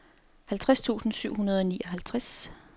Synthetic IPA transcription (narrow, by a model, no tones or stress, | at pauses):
hælt͡sʰʁast͡sʰṵːsn̩syʊ̰ɦunɐð̞ˠɒ̽niːʔɒ̽ɦælt͡sʰʁas